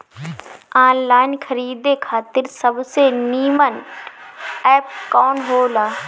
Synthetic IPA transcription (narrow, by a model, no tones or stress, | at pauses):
ãːnlaːɪnkʰəɾiːd̪ekʰaːt̪ɪɾsəbseniːmən | ɛːp̚kɔːnɦoːlaː